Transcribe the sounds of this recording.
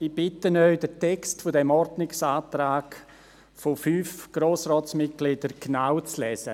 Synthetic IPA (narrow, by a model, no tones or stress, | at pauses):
ib̥ɪtənœʏdətʰɛkstfodɛmɔɾdnɪksaːtɾaːk | fofyːfɡ̥ɾoːsɾɔːtsmɪt̚ɡ̥lɪd̥əɾɡ̥naʊt͡slɛːsə̰